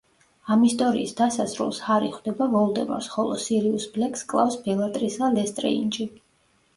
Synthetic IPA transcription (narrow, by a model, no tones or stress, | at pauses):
amist̪ʼɔɾḭːsd̪asasɾṵlˠshaɾiχwd̪ɛbavɔlˠd̪ɛmɔ̰ɾsχɔlˠɔ̰siɾiusblɛkʰʼskʼlˠa̰fsbɛlˠat̪ʼɾisalɛst̪ʼɾɛ̰ḭnt͡ʃʼi